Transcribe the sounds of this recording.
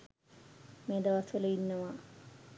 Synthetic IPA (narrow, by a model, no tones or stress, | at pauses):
meːd̪ɐʋɐsʋələinːəʋa